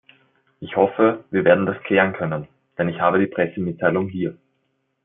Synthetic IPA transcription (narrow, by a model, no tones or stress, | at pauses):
ʔɪçhɔfəviːɐveːɐdn̩daskʰl̥ɛːʁənkʰœnən | d̥ɛnɪçhaːbəɾiːpʁ̥ɛsəmɪtʰːaɪlʊŋɦiːɐ